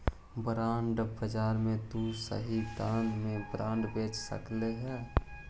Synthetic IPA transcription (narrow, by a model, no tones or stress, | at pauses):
bɾaːɳɖbəd͡ʒaːɾmẽd̪usə̰ɦid̪ãːnmẽbɾãːɳɖbeːt͡ʃsə̰kleɦɛ